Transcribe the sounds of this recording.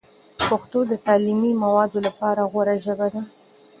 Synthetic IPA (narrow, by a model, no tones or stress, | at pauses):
paxt̪od̪ət̪ɑlimimawɑd̪olapɑɾaɣwaɾaʒəbad̪a